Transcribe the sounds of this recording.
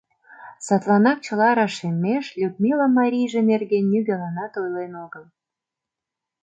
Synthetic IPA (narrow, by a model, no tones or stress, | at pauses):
sɑt̪lɑnɑk̚t͡ɕə̆lɑɾɑʃemːeʃlʲud̪̚mʲilamɑɾʲijʒenerɣenːyɡelɑnɑt̪ojlenoɣəl